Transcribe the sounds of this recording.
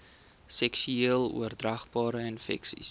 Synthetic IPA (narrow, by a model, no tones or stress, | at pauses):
sɛksyiəlˠṵərdrɐχbɑːɾəənfɛ̰ksḭs